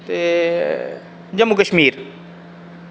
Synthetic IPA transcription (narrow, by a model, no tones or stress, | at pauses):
t̪e | d͡ʑɐmːukəʃmiːɾ